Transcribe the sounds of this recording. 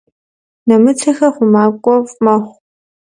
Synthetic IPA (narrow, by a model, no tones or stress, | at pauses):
nɐmɨt͡sʰɐxɐχʷʊmaːkʷʼɔvmɐχʷ